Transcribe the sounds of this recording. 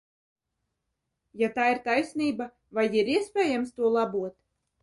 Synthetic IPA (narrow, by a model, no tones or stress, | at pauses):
jat̪aːiɾt̪ajsʲniːba | vajiɾiɛspʲeːjamst̪uɔlˠabuɔt̪